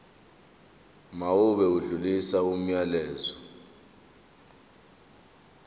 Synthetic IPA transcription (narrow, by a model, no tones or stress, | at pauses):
mauɓɛuɮulisaum̩jalɛːzɔ